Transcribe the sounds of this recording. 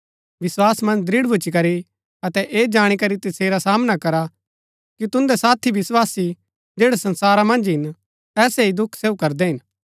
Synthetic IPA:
ʋɪswaːsmɐ̃nd͡ʒd̪ɾɪɽbʱʊt͡ʃikɐɾi | ɐt̪ɛʔeːd͡ʒaːɽ̃ikɐɾit̪ɐseːɾasaːmnakɐɾa | kit̪ʊ̃nd̪ɛsaːt̪ʰːiʋɪswaːsi | d͡ʒeːɽesɐ̃nsaːɾamɐ̃nd͡ʒɦɪn | t̪ɛːseid̪ʊkʰseːukɐɾd̪ɛɦɪn

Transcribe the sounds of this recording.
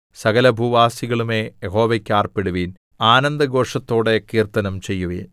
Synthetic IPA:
sɐɣɐlɐbʱuʋaːsiɣɐɭume̞ːjeɦo̞ːʋɐkʲːaːrpeɽuʋiːn | aːnɐnd̪ɐɡo̞ːʂɐt̪ːo̞ːɽe̞kiːrt̪ɐnɐmt͡ɕe̞jːuʋiːn

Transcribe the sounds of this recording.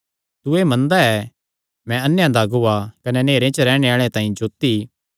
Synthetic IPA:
t̪uemɐ̃nd̪aɛ | mɛ̃ɐnːjãd̪aɡʊakɐnɛneːɾẽt͡ʃəɾɛːɽ̃eaːɭ̃ẽt̪ãːĩd͡ʒoːt̪i

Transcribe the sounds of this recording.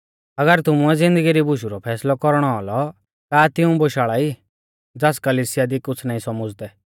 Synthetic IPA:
ɐɡəɾt̪ʊmuɛd͡zɪ̃nd̪əɡiɾibʊʃuɾɔpʰɛːslɔkɔɾɽ̃ɔɔlɔ | k̪aːt̪ɪũboːʃaːɭai | d͡zaskɐliːsɪjad̪ikʊt͡sʰnaːĩsɔmʊd͡zt̪ɛ

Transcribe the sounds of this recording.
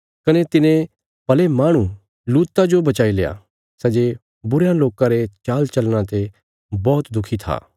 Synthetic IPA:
kɐnet̪ɪnẽ | pɐlemaːɽ̃u | luːt̪ːad͡ʒobɐt͡ʃaːileːa̰ | sɛːd͡ʒe | bʊɾjãloːkãɾet͡ʃaːlt͡ʃɐlñãt̪e | bɔːt̪d̪ʊkʰit̪ʰa̰ː

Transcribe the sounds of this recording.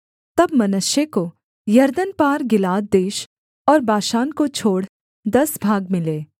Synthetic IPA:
t̪ɐbmɐnʊʃjeko | jɐɾd̪ənpaːɾɡɪlaːd̪̚d̪eːʃ | ɔːɾbaːʃaːnkot͡ʃʰoːɽ | d̪ɐsbʱaːɡ̚mɪleː

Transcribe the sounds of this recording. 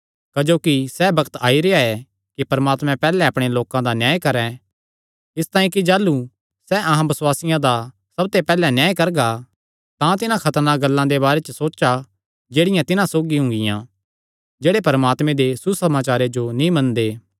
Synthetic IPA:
kɐd͡ʒoːkisɛbɐkt̪aːiɾeaɛ | kipɐɾmaːt̪mɛ̃pɛːlɛɐpɽ̃eloːkãd̪anjaːjkɐɾɛ̃ | ɪst̪aːĩkid͡ʒaːlu | sɛʔɐɦãbɐswaːsɪjãd̪a | sɐb̚t̪epɛːlɛnjaːjkɐɾɡa | t̪ãt̪ɪnãkʰɐt̪əɾnaɡɐlːãd̪ebaːɾet͡ʃəsoːt͡ʃa | d͡ʒeːɽɪjãt̪ɪnãsoːɡiɦʊ̃ŋɡɪjã̰ | d͡ʒeːɽepɐɾmaːt̪mẽd̪esusɐmaːt͡ʃaːɾed͡ʒonĩmɐ̃nd̪eː

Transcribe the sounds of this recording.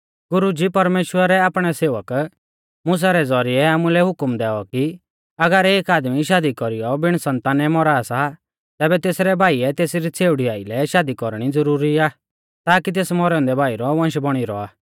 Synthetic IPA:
ɡʊɾud͡ʒipɐɾmeːʃwəɾɛaːpɽ̃ɛseːʋək | mʊs̬aɾɛd͡zɔɾiɛaːmulɛɦʊkmd̪ɛːɔki | ɐɡəɾeːkaːd̪miʃaːd̪ikɔɾijɔbɪɽ̃sɐ̃nt̪aːnɛmɔɾasa | t̪ɛːbɛt̪eːsɾɛbʱaːiɛt̪eːsɾit͡sʰeːʊɽiaːilɛʃaːd̪ikɔɾɽ̃id͡zɐɾuːɾiaː | t̪aːkit̪̬eːsmɔɾɛʊ̃nd̪ɛbʱaːiɾɔʋɐ̃nʃbɔɽ̃iɾɔ̰aː

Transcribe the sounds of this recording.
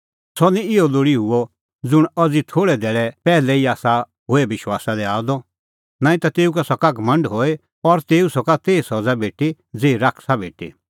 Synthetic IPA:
sɔnĩɪɔloːɽiɦʊɔ | d͡zʊɽ̃ɐd͡zit̪ʰoːɽɛd̪ɛːɭɛpɛːlɛiaːsa | ɦoebɪʃwaːsad̪ɛaːd̪ɔ | naːĩt̪at̪eːukasɔkaɡmɐ̃ɳɖɦoːe | ɔɾt̪eːusɔkat̪eːisɔd͡zabʱeːʈi | d͡zeːiɾakʰsabʱḛːʈḭ

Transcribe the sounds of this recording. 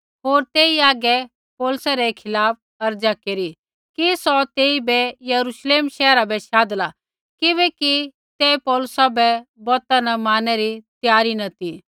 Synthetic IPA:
ɦoːɾt̪eːiaːɡɛ | pɔːlʊsaɾɛkʰɪlaːp̚ | ɐɾd͡ʒakeːɾi | kisɔt̪eːibɛjɐɾuʃleːmʃɛːɾabɛʃaːd̪la | kɪβɛki | t̪ɛpɔːlʊsabɛbɔːt̪anɐmaːnɛɾit̪jaːɾinɐt̪i

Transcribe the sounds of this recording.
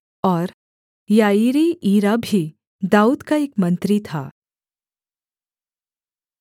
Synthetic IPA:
ɔːɾ | jaiɾiʔiːɾabʱi | d̪auːd̪kaekmənt̪ɾit̪ʰa̰

